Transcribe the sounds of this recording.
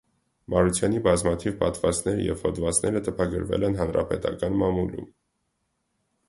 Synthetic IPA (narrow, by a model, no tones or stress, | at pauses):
mɑɾut͡sʰjɑnibɑzmɑt̪ʰivpɑt̪vɑst̪nɛɾə̰jɛ̰vhɔd̪vɑt͡snɛɾət̪ʰəpʰɑɡə̰ɾvɛ̰lɛn̪ɦɑnɾɑ̰pɛt̪ɑkɑnmɑmulṵm